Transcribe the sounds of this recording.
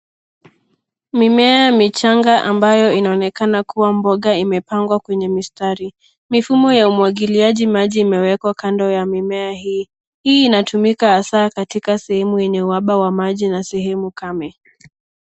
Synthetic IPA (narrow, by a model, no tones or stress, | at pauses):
mimɛajamit͡ʃaŋɡaʔambajɔinaɔnɛkanakuwambɔɠaimɛpaŋɡwakwɛɲɛmistaɾi | mifumɔjaumuwaɠiliaʄimaʄiːmɛwɛkwakandɔjamimɛahiː | hiːnatumikaasaːkatikasɛhɛmujɛɲɛuaɓawamaʄinasɛhɛmukamɛ